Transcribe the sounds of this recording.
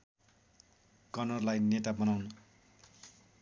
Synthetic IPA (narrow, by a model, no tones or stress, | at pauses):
kʌnʌrlajnetabʌnawnʌ